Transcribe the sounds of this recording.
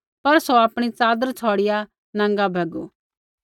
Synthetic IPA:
pɐɾsoapɽ̃it͡saːd̪əɾt͡sʰɔːɽɪja | nãŋɡabʱɐɡo

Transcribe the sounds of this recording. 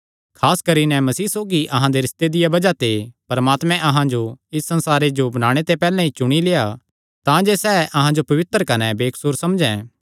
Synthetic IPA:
kʰaːskɐɾinɛmɐsiːsoːɡiʔɐɦãd̪eɾɪst̪ed̪ɪjabɐd͡ʒat̪epɐɾmaːt̪mɛ̃ʔɐɦãd͡ʒoɪsːɐ̃nsaːɾed͡ʒobɐñaːɽ̃et̪epɛːlɛ̃ɦit͡ʃʊɽ̃ileːja | t̪ãd͡ʒesɛːʔɐɦãd͡ʒopɐʋɪt̪ɾəkɐnɛbeːkʰsʊɾsɐmd͡ʒɛ̃ː

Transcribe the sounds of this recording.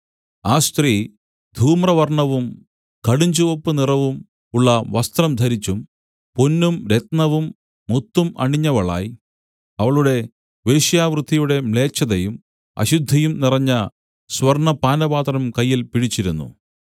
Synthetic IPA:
aːst̪riː | d̪ʱuːmrɐʋɐrɳɐʋum | kɐɽiɲd͡ʑuʋopːɨnirɐʋum | uɭːɐʋɐst̪rɐmd̪ʱɐɾit͡ɕːum | ponːumɾet̪nɐʋumː | ut̪ːumɐ̰ɳiɲːɐʋɐɭa̰ːji | ɐʋɐɭuɽe̞ | ʋeːɕjaːʋrɨd̪ʱːijuɽe̞mɭe̞ːt͡ɕːɐðɐjum | ɐ̰ɕud̪ʱːɐjumnirɐɲːɐ | swɐrɳɐpaːnɐbaːt̪rɐmkɐjːilpiɽit͡ɕːiɾunːṵ

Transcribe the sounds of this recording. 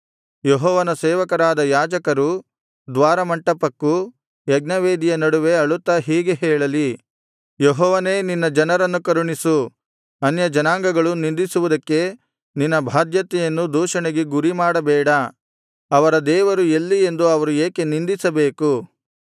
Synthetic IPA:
jeɦɔːʋɐnɐsɛːʋɐkɐɾaːd̪ɐjaːd͡ʒɐkɐɾu | d̪ʋaːɾɐmɐɳʈɐpɐkːu | jɐɡ̚nɐʋeːd̪ijɐnɐɽuʋe̞ɐɭut̪ːɐɦiːɡeɦɛːɭɐli | jeɦɔːʋɐne̞ːninːɐd͡ʒɐnɐɾɐnːukɐɾuɳisu | ɐnjɐd͡ʒɐnaːŋɡɐɡɐɭunind̪isuʋud̪ɐkːe̞ | ninːɐbʱaːd̪jɐt̪ɛjɐnːud̪uːʂɐɳeɡeɡuɾimaːɽɐbɛːɽɐ | ɐʋɐɾɐd̪ɛːʋɐɾuelːie̞nd̪uɐʋɐɾueːke̞nind̪isɐbeːku

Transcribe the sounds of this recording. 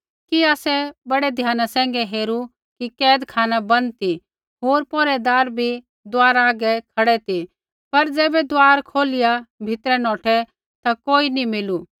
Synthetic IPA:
kiaːsɛbɐɽɛd̪ʱjaːnasɛ̃ːŋ̆ɡɛɦeːɾu | kikɛːd̪kʰaːnabɐnt̪i | ɦoːɾpɔ̃ːɾɛd̪aːɾbʱi | d̪ʊaːɾaːɡɛkʰɐɽɛt̪i | pɐɾd͡zɛːbɛd̪aːɾkʰoːlɪjabʱɪt̪ɾɛnɔ̃ːʈʰɛ | t̪akoːinimɪlu

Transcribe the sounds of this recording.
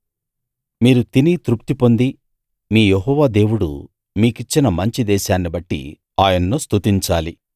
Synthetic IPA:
miːɾut̪init̪ɾup̚t̪ipo̞nd̪i | miːjeɦɔːʋaːd̪e̞ːwuɽṵ | miːkit͡ʃːinɐmɐɲt͡ʃid̪ɛːʃaːnːibɐʈːḭ | aːjɐnːust̪ut̪iɲt͡ʃaːli

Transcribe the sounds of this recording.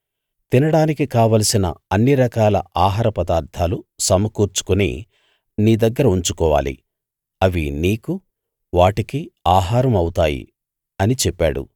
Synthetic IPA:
t̪inɐɽaːnikikaːʋɐlɐsinɐ̰ɐnːiɾɐkaːlɐ̰ʔaːɦaːɾɐpɐd̪aːɾd̪ʱaːlusɐmɐkuːɾt͡ʃu̥kunḭː | niːd̪ɐɡːɐɾɐuɲt͡ʃukɔːʋa̰ːlḭ | ɐʋiniːku | ʋaːʈikiaːɦaːɾɐmɐwut̪aːjḭ | ɐnit͡ʃɛpːaːɽṵ

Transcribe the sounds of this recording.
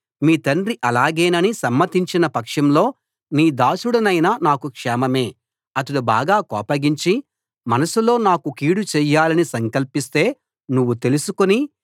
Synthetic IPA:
miːt̪ɐnɖɾiʔɐlaːɡeːnɐnisɐmːɐt̪iɲt͡ʃinɐpɐkʂɐmlo̞ː | niːd̪aːʃuɽɐnɐjnɐnaːkukʂɛːmɐme̞ː | ɐt̪ɐɽuba̰ːɡaːkɔːpɐɡiɲt͡ʃi | mɐnɐsulo̞ːnaːkukiːɽut͡ʃɛːjːaːlɐnisɐŋkɐlpist̪e̞ː | nuʋːut̪e̞lusukoni

